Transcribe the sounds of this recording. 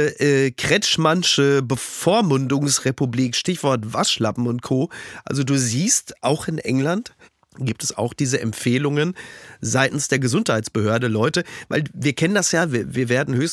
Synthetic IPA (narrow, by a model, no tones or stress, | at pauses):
ʔɛːkʁ̥ɛt͡ʃmanʃəbəfoːɐmʊndʊŋsʁepubliːkʃtɪçv̥ɔɐtv̥aʃlapm̩ʊnt̚kʰoːʔa̰lzoduːziːstʔaʊxɪnʔɛŋlant | ɡ̥iːp̚tɛsa̰ʊxd̥iːzəʔɛ̰mfeːlʊŋənzaɪtn̩sd̥eːɐɡəzʊnthaɪtt͡ssb̥əhøːɐdəlɔʏtəva̰ɪlviːɐkʰɛnəndasjaːviɐviːɐveːɐdn̩høːçs